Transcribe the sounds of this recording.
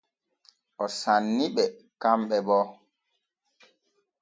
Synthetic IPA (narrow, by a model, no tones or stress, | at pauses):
ʔɔsanːiɓɛ | kamɓɛbɔ